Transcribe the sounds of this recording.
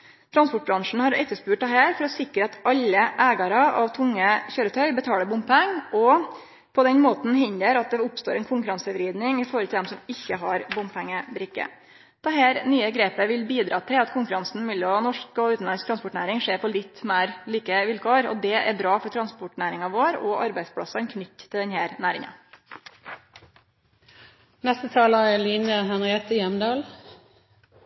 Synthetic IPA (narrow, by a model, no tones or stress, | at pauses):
t̪ʰɾɑnspʊʈ̚bɾɑŋʂn̩hɑɾɛt̪ːəʂpʉːʈ̚d̪ɛɦæːɾfɔɾɔsɪkɾəɑt̪ɑlːəʔæːɡɑɾɑʔɑʋt̪ʰʊŋːəçøːɾət̪ʰœʏbət̪ʰɑːləɾbʊmppɛŋɔ | pʰɔd̪ɛnmoːt̪n̩hɪnd̪əɾɑt̪̚d̪ɛʊpst̪oːɾɛnkʰʊŋkʉɾɑnsəʋɾiːd̪nɪŋɪfɔɾhɔlt̪ʰɪlɛmsɔmɪçːəɦɑɾbʊmpʰɛŋːəbɾɪkːə̰ | d̪̥ɛɦæːɾnyːəɡɾeːpəʋɪlbiːd̪ɾɑ̰ːt̪ʰɪlɑt̪kʰʊŋkʉɾɑnsn̩mɪlːɔnɔʂkɔʉːt̪n̩ɑnskt̪ɾɑnspʊʈɳæ̰ːɾɪŋʂeːɾpʰɔlɪt̪ːmæɪɾliːkəʋɪlkʰoːɾɔ̰d̪ɛʔæɾbɾɑːfɔʈʰɾɑnspʊʈɳæːɾɪŋɑʋoːɾɔʔɑɾbæɪd̪spʰɽɑ̰sɑnkʰnʏt̪ːt̪ʰːɪd̪ɛnhæːɾnæːɾɪŋə̰ | nɛst̪ət̪ʰɑːlɑɛliːnəhɛnɪɛt̪əjɛmd̪ɑːl